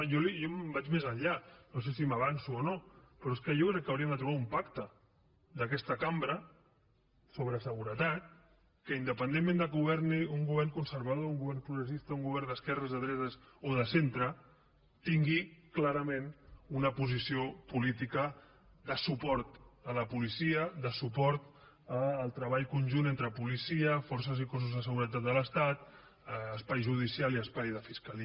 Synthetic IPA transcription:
jolijombat͡ʃmezəɲʎanosesiməβ̞ansuonopɾɔeskəjokɾɛkːəawɾiəmd̪ət̪ɾuβaumpakt̪ə | d̪əkɛst̪əkambɾə | soβɾəsəɣuɾət̪at̪̚ | kəind̪əpənd̪emːẽnd̪əɣuβɛrniuŋɡuβɛrŋkunsəɾβað̞ouŋɡuβɛrnpɾuɣɾəs̬ist̪əuŋɡuβɛrnd̪əskɛrəzəðɾɛzəz | oðəsent̪ɾə | t̪iŋɡiklaɾəmẽnunəpuzisiopulit̪ikə | d̪əsupɔɾt̪ələpulisiəðəsupɔɾt̪ | əːlˠt̪ɾəβ̞aʎkunʲʒunent̪ɾəpulisiəfɔrsəzikɔs̬uzðəs̬əɣuɾət̪̬at̪̚d̪ələst̪at̪ː | spajʒuð̞isialˠiəspajðəfiskəli

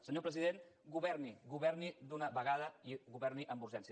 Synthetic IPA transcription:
səɲopɾəziðen | ɡuβɛɾniɣuβɛɾnid̪unəβəɣ̞aðəiɣuβɛɾniʔəmbuɾʒɛnsi

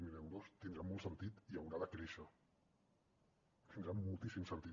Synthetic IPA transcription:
milɛwɾost̪ind̪ɾamɔlˠsənt̪it̪iəwɾaðəkɾeʃə | t̪ind̪ɾamulˠt̪isimsənt̪i

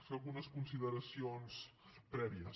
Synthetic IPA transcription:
feɣunəskunsiðəɾəsionspɾɛβiəs

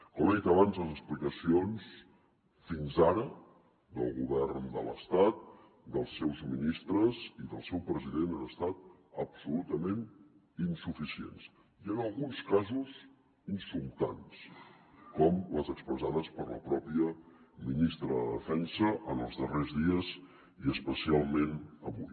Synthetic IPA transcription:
kɔməðit̪əβanzləzəsplikəsions | finzaɾə | d̪əlˠɣuβɛrnd̪ə̰lə̰st̪at̪̚ | d̪əlˠsɛwzminist̪ɾəziðəlˠsɛwpɾəziðenanəst̪at̪̚əbsulut̪əmen | insufisiḛns | iənəlˠɣunskazuz | insulˠt̪anskɔmləzəkspɾəzaðəspəɾlə̰pɾɔpiə | minist̪ɾəðə̰ðəfɛnsəʔənəlˠzðərezðiəz | iəspəsialˠmenəβuj

